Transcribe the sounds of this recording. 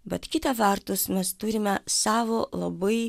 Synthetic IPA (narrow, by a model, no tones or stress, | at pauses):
bʲɛt̪kʲɪt̪ɐʋʲɐɾt̪ʊsmʲɛst̪ʊɾʲɪmʲɛsɑːʋoːlˠɐ̰bɐɪ